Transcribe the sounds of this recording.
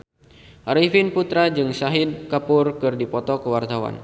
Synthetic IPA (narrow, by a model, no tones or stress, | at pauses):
ʔaɾifinput̪ɾad͡ʒɨŋsaɦid̚kapʊrkɨrdipɔt̪ɔkəwart̪awa̰n